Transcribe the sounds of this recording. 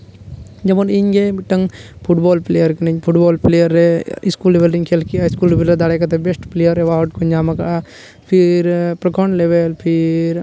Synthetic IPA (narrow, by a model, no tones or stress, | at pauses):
d͡ʒɐmɐniɲɡebiʈːɐŋpʰuʈboːlplejɐɾkɐniɲpʰuʈboːlplejɐɾːeiskulːeʋelɖiŋkʰelkiɐiskuːlpʰilɐd̪aɽekɐt̪ebesʈplejɐɾeʋaːʈkoɲd͡ʒaːmɐka | pʰiɾpɾɐkʰoɳleʋelpʰiɾ